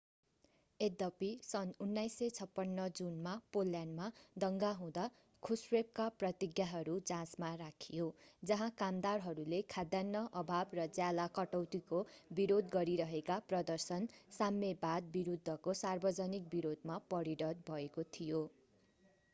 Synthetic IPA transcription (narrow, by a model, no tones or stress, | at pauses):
ed̪ʌpisʌnunːajset͡sʰʌpːʌnːʌd͡zunmapolːjanmad̪ʌŋɡaɦũd̪a | kʰusrep̚kaprʌt̪iɡjaɦʌɾud͡zãsmaɾakʰijod͡zʌɦãkamd̪arɦʌɾulekʰad̪janːʌʔʌbʱabrʌd͡zjalakʌʈʌwt̪ikobiɾod̪ɡʌɾiɾʌɦekaprʌd̪ʌrsʌnsamːebad̪̚biɾud̪ʱːʌkosarbʌd͡zʌnik̚biɾod̪mapʌɾiɾʌd̪̚bʱʌekot̪ʰijo